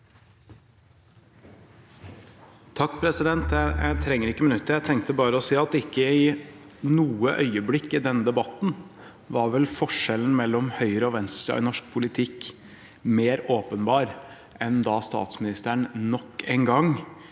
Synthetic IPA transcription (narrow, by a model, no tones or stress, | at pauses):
t̪ʰɑkːpʰɾɛsɪd̪ɛnt̪jæjæ̰ɪt̪ʰɾɛŋːəɾɪkːəmɪnʉt̪ːəɾjæɪt̪ʰɛŋkt̪əbɑːɾəɔsiːɑt̪ɪkːəɪnuːəʔœʏəblɪkːɪd̪ɛnd̪ɛbɑt̪n̩ | ʋɑɾʋɛlfɔʂɛln̩mɛlːɔmhœʏɾəɔʋɛnssɑ̰ɪ̰nɔʂk̚pʰʊlɪt̪ʰɪk | meːɾoːpənbɑːɾ | ʔɛnd̪ɑːst̪ɑ̰ːt̪smɪnɪst̪əɳnɔkːeːnɡɑŋ